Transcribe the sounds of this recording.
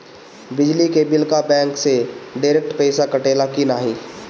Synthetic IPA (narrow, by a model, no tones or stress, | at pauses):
bɪd͡ʒlikeːbɪlkabɛ̃ːŋkseɖaːɾek̚ʈpɛːsakɐʈeːlakinaːɦĩː